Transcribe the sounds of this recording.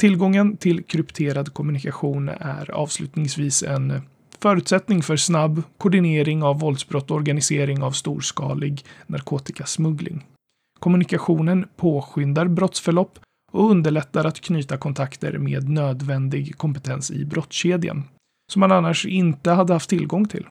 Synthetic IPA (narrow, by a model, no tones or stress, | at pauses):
t̪ʰɪlɡɔŋːənt̪ʰɪlkʰɾɵpt̪ʰeːɾad̪kʰɔmɵnɪkaɧuːnæ̰ɾɑ̰ːvslʉ̟ːt̪nɪŋsviːsɛ̰n | fœːɾʉ̟ːt̪sɛt̪nɪŋfœɾsnabːkʰɔɖɪneːɾɪŋavːɔld̪sbɾɔt̪ːɔɾɡanɪseːɾɪŋavst̪ṵːɾʂkɑ̰ːlɪɡnaɾkʰoːt̪ɪkasmɵɡlɪ̰ŋ | kʰɔmɵnɪkaɧuːnənpʰoːɧʏnd̪aɾbɾɔt̪sfœɭɔpː | ɔɵnd̪əɭɛt̪ːaɾat̪kʰnyːt̪akʰɔnt̪ʰakt̪ə̰ɾmḛːd̪nøːd̪vɛnd̪ɪɡkʰɔmpɛt̪ʰɛnsɪ̰bɾɔt̪sɕeːd̪ɪa̰n | sɔmːananːaʂɪnt̪əɦad̪ːəhaft̪ʰːɪlɡɔŋt̪ʰɪ̰l